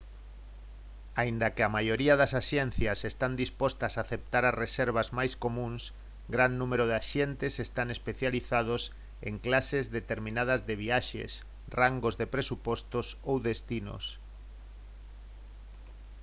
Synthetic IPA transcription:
aind̪ɐkeamajoɾiɐðɐsaʃɛn̟θjɐsest̪and̪ispɔst̪ɐsaθep̚t̪aɾaresɛɾβ̞azmajskomũŋs | ɡɾanːumeɾoðeaʃɛnt̪esest̪aŋespeθjaliθað̞os | ḛŋklasezðet̪eɾmĩnað̞ɐzðeβiaʃḛs | raŋɡozðepɾesupɔst̪osowðest̪ino̰s

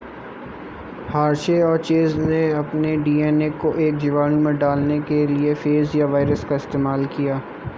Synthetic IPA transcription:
haːɾʃeɔːɾt͡ʃeːzneɐpneɖiːɛːnekːoʔeːk̚d͡ʒɪʋaːnũmẽɖaːlnekeliefeːzjaʋaːɪɾəskaɪst̪eːmaːlkijaː

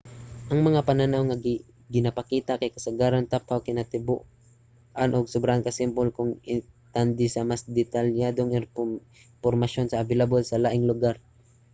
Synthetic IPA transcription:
ʔɐŋmɐŋapɐnanawŋɐɡ | ɡɪnɐpɐkiːt̪akɐjkɐsɐɡaːɾant̪apawkɪnɐt̪ɪbṵʔ | ʔanʔoɡ̚sʊbɾaʔankɐsɪmpolkʊŋɪt̪and̪ɪsɐmasd̪ɛt̪aljaːd̪oŋɪn | poɾmɐʃjo̞nsɐʔːvɪlabolsɐlaːʔɪŋlʊɡaɾ

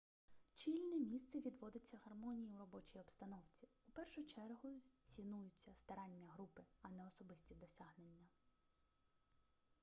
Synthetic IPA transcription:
t͡ʃʲilʲnʲimʲist̪sɛʋʲid̪ʋɔd̪ɪt͡sʲːɐɦɐrmɔnʲijiwɾɔbɔt͡ʃijɔbst̪ɐnɔwt͡sʲiʊpɛrʃʊt͡ʃɛrɦʊzʲt͡sʲinujʊt͡sʲːɐst̪ɐɾɑnʲːɐɦɾupɪɐnɛɔsɔbɪsʲtʲid̪ɔsʲaɦnenʲːɐ

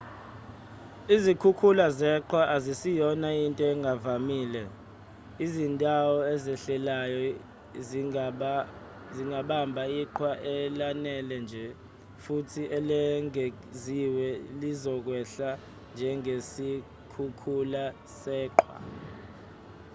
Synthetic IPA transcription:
izikʰukʰulazɛǃwaʔazisijɔnajintʼɔɛŋʱavamiːlɛ | izindʼawɔɛzɛɬɛlajɔ | ziŋɡʱaɓambʱaiǃʰwaʔɛlanɛlɛnd͡ʒʱɛ | futʰiʔɛlɛŋe | ziwɛlizɔk̬wɛɬa | nd͡ʒʱɛŋesi | kʰukʰula | sɛːǃʰwa̰

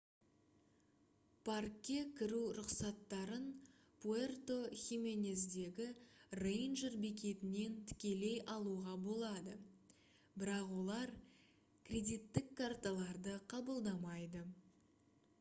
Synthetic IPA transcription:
pʰarkʲːe̞kʲʰɪɾuɾʊqsɑt̪ːɑɾən | pʰuert̪o̞xʲime̞nʲezd̪e̞ɡʲɪrejnʒeɾbek̬ʲʰe̞t̪ɪne̞nt̪ʰɪ̥kʲe̞le̞jʔɑlˠuʁɑbo̞lˠɑd̪ə | bɪɾɑqwo̞lˠɑɾ | kʲʰrʲe̞d̪ʲijt̪ːɪkʰːart̪alˠɑɾd̪əqʰɑbəlˠd̪ɑmɑjd̪ə

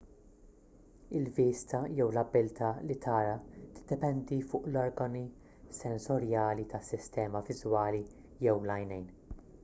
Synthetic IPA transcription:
ɪlviːst̪ɐjɛwlɐbːɪlt̪ʰɐlit̪ʰɐːɾɐt̪ɪ̥d̪̥ːɛpɛnd̪ifʊːʔlɔɾɡɐni | sɛnsɔɾjɐːlit̪ɐsːɪst̪ɛːmɐvɪzwɐːli | jɛwlɐjnɛjn

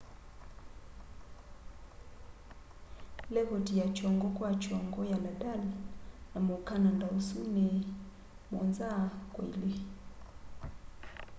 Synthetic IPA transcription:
lɛɣɔtijat͡ʃɔŋɡɔkwat͡ʃɔŋɡɔjaladalanamokanandausunɛ | mɔ̰nzakwḛle

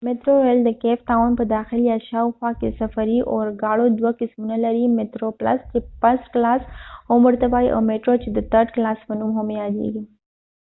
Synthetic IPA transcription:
mɪt̪ɾoeld̪əkeft̪awnpəd̪aːxɪljaʃawxwakḛsɐfɐɾiʔoɾɡaːɽod̪wakɪsmunalɐɾimɪt̪ɾoplɐ̰st͡ʃepɐsklasomʊɾt̪əbaːiʔa̰wmeʈɾot͡ʃed̪ət̪ʰəɾɖklaːspənumɦʊmjad̪ḛɡi

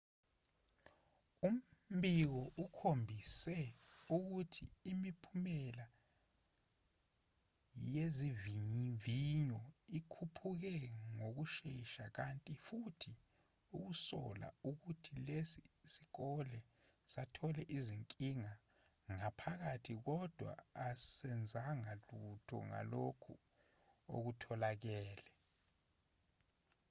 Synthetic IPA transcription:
um̩bik̬ɔʔukʰombʱisɛuk̬utʰiːmipʰumɛla | jeziviɲiɱviɲɔikʰupʰuk̬ɛŋok̬uʃeʃak̬antʼifutʰi | uk̬usɔ̰la̰ukutʰilesisi̥ɣɔlɛ | satʰɔlɛʔiziŋkʼiŋa | ŋapʰaɣ̬atʰik̬ɔd̥ʱwa̰ːsɛnd͡zʱaŋalutʰɔ̰ŋa̰lokʰṵ | o̰k̬utʰɔlaɣ̬ɛːlɛ

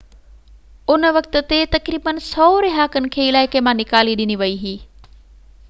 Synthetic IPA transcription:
ʊnəʋɐk̚t̪ə̆t̪et̪ɐkɾiːbənsɔːɾɪɦaːkənɪ̆kʰeːɪlaːɪkemãnɪkaːliɗɪniʋɐiɦiː

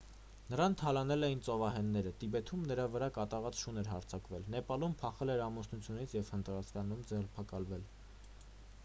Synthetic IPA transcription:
nəɾɑnt̪ʰɑlɑnɛlɛjint͡sɔvɑɦɛnːɛɾət̪ibɛt̪ʰumnəɾɑvəɾɑkɑt̪ɑʁɑt͡sʃunɛɾɦɑɾt͡sʰɑkvɛlnɛpɑlumpʰɑχɛlɛɾɑmɔsnut͡sʰjunit͡sʰjɛv̥hənt̪ɾɑskɑnumd͡zɛrpʰɑkɑlvɛl

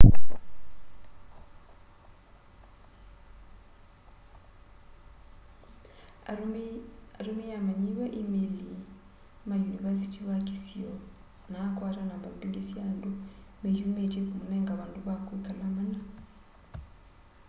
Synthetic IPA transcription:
aɾumijamaɲiweʔimeli | majunivas̬itiwakisio | nakwaːtanaβabiɡisjaːndumejumetiekumuneːŋɡaβaːnduβakwikalamana

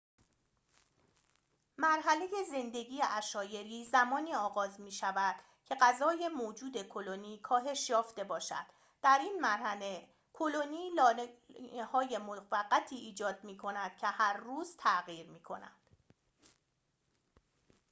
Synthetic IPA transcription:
mæɾɦæle̞je̞ze̞nd̪e̞ɟiːjeʔæʃɒːje̞ɾiːzæmɒːniːɒːɣɒːzmiːʃævæd̪̥ | cʰe̞ɢæzɒːje̞moːd͡ʒuːd̪e̞kʰo̞loniːkʰɒːɦe̞ʃjɒːft̪e̞bɒːʃæ̰d̪̥ | d̪̥æɾiːnmæɾhæle̞ | kʰo̞lo̞niːl | hɒːje̞movæɢːæt̪ʰiːʔiːd͡ʒɒːd̪̥̚miːkʰo̞næd̪̥cʰe̞hæɾːuːzt̪ʰæɣiːɾmiːkʰo̞̰næ̰nd̪̥

